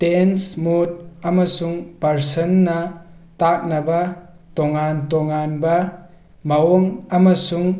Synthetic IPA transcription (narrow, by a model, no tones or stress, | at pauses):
tensmut̚ɐmɐsuŋpɐɾsɐnːɐtak̚nɐbɐ | toŋantoŋanbɐ | mɐwoŋɐmɐsuŋ